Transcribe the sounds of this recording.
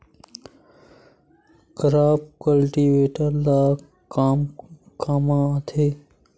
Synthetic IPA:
kəɾaːp̚kəlʈiːʋeːʈəɾlaː | kam | kaːmãːt̪ʰeː

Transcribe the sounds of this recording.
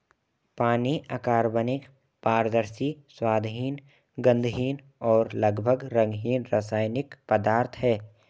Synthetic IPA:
paːniakaːɾbənɪk | paːɾd̪əɾsiswaːd̪ɦiːn | ɡə̃nd̪ɦiːn | ɔːɾləɡbʱəɡɾə̃ŋɡɦiːnɾaːsaːɪnɪkpəd̪aːɾt̪ʰɦɛː

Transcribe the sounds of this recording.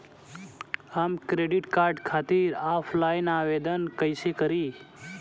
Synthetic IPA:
amkɾeɖiʈkaɾɖkʰat̪iɾafʰlajnaʋed̪ənkəjsekəɾi

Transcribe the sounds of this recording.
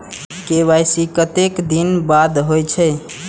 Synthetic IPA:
keβajsikət̪ekd̪inbad̪ɦojt͡ʃʰə

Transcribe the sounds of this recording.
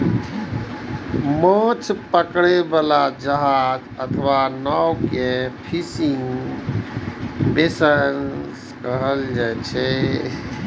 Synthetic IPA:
mə̃t͡ʃʰpəkɽebalad͡ʒəɦad͡ʒət̪ʰʋanɔwkepʰisiŋ | besəns | kəɦəld͡ʒajt͡ʃʰɛ

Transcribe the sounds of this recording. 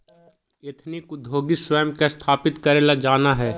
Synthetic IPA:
et̪ʰnɪkʊd̪ʱːoːɡɪswəjəmkest̪ʰaːpɪt̪kɐɾelad͡ʒaːnaɦɛː

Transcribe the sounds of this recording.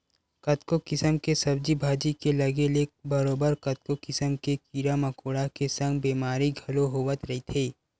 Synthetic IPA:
kɐt̪kokɪsəmkesɐbd͡ʒibʱaːd͡ʒikelɐɡelebɐɾoːbəɾkɐt̪̚kokɪsəmkekiːɾamɐkoːɽakesə̃ŋɡbeːmaːɾiɡʱɐloɦoːʋət̪ɾɐɦit̪ʰeː

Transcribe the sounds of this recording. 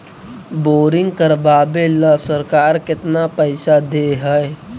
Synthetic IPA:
boːɾɪ̃ŋɡkəɾbaːbeləsəɾkaːɾkɪt̪napəɪsad̪eɦɛe

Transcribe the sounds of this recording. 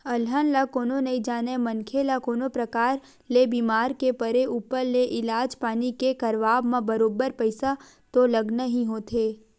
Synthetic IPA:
ɐlɦənlakoːnonɐĩd͡ʒaːnemənkʰelakoːnopɾəkaːɾ | lebiːmaːɾkepəɾeuːpəɾleʔɪlaːd͡ʒpaːnikekɐɾʋaːbmãbəɾoːbəɾpəɪsa | t̪oləɡnaɦĩɦoːt̪ʰeː

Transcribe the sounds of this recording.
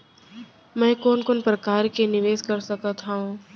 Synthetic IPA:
mɛ̃ːkoːnkʊnpɾɐkaːɾkenɪʋeːzkɐɾsɐkat̪ʰaɦũ

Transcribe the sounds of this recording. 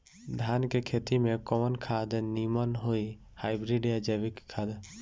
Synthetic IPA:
d̪ʱankekʰet̪imekɔmənkʰad̪nimənɦoi | hajbɾiɖijad͡ʒəbikkʰːad̪

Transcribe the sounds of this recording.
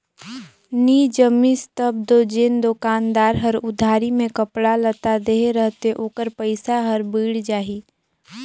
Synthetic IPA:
niːd͡ʒəmist̪əb̚d̪od͡ʒend̪okaːnd̪aːɾɦəɾʊd̪ʱaːɾimẽkəpɽalət̪ad̪eɦeɾəɦt̪eʔoːkəɾpəɪsaɦəɾbiːɽd͡ʒaːɦiː

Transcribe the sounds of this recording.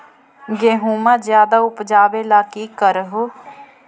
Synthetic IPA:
ɡeːɦuːmãːzjaːd̪aʊpd͡ʒaːʋeːlaːkikəɾɦo

